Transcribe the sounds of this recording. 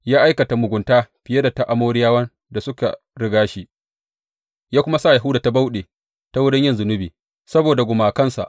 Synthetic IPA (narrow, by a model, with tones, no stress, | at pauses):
jaː˦ʔa˦jkɐ˨ta˨mʊ˨ɡʷʊ˨ntaː˦ɸɪ˨je˦da˨ta˦ʔa˨moː˦ɽɪ˦jaː˦wɐ˦n | da˨sʊ˦ka̰˨ | ɽɪ˦ɡaː˦ʃi˦ʔ | jaː˦kʷʊ˦ma˦sa˦˨ja˨ɦʊ˦daː˨ta˦ba˦wɗeː˨ | ta˦wʊ˦dɪ˦ɲjɪ˦nzʊ˨nʊ˦biː˨ | sɐ˦boː˨da˨ɡʷʊ˨maː˨kɐ˦nsa̰˨ʔ